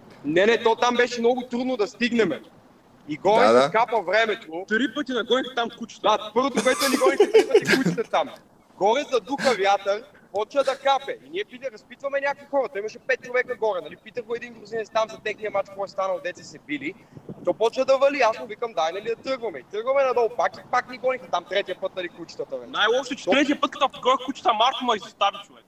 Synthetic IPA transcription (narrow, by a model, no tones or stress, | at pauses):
nɛnɛt̪ɔt̪ambɛʃɛmnɔɡʊt̪ɾud̪nod̪ɐst̪iɡnɛmɛ | iɡɔɾɛzkapɐvɾɛmɛt̪ot̪ɾipət̪inɐɡɔk̪ɛt̪amkut͡ʃi̥t̪d̪apɤɾvot̪okoɛt̪oɛnʲiɡɔɾikɛt̪t̪ɐnɛkut͡ʃi̥t̪ɛt̪am | ɡɔɾɛzɐd̪uxɐvjat̪əɾ | pɔt͡ʃɐd̪ɐkapɛʔinʲiɛpit̪ɾɐspit̪vɐmɛnʲakoixɔɾɐt̪ɔimɐʃɛpɛt̪̚t͡ʃovɛkəɡɔɾɛnɐlipit̪əxoɛd̪inɡɾʊzinɛt̪st̪amzɐt̪ɛxniɐmat͡ʃkɔjst̪anɐlˠd̪ɛt̪sɛsɛbilit̪ɔpɔt͡ʃɐd̪ɐvɐliasovikəmd̪ajnɐlid̪ɐt̪ɤəɾɡvɐmɛit̪ɤɾɡvɐmɛnɐd̪ɔvpakipaknɛɡɔnixɐt̪amt̪ɾɛt̪ijəpɤt̪̚nɐlikut͡ʃi̥t̪ɐt̪oɛnajɔpʃt̪ot͡ʃɛ̥t̪ɾɛt̪iəpɤt̪kɐt̪ɔfɡɔɾɛxkut͡ʃi̥t̪ɐmaɾt̪omɐizost̪avit͡ʃovɛk